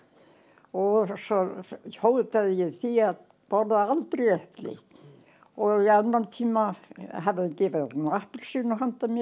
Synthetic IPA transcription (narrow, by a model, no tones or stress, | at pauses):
ɔsɔhowðt̪aðjɛθiað | pɔɾðaalt̪ɾiɛhplɪ̰ | ɔianːant̪ʰiːmaɦaðɪcɪːvaðnahpʏlsinːɔɦant̪amɛ